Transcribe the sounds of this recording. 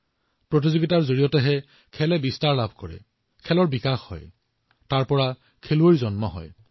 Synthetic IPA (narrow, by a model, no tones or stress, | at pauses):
pɹot̬izoɡitaɹzoɹijɔtɛɦɛ | kʰɛlɛbistaɹlabʱkɔɹɛ̰ | kʰɛlɔɹbikaxhɔ̰j | taɹpɔɹa | kʰeluoɹizɔnmɔɦɔ̰j